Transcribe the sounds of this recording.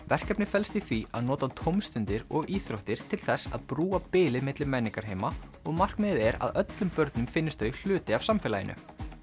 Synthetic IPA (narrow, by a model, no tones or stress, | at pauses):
vɛr̥kɛpnɪ̥fɛlst̪iθɾia̰ðnɔːt̪at̪ʰowmst̪ʏnt̪ɪɾɔɣiːθɾowht̪ɪɾ̥t̪ʰɪlθɛsa̰ðpɾuːapɪːlɪðmɪt̪lɪmɛnːiŋkaɾ̥hɦeːjmaɔɣmar̥kmɪðɛɾa̰ðœt̪lʏmpœɾt̪nʏmfɪnːɪst̪œl̥ʏːt̪ɪavsamfɪːlajɪ̰nʏ̰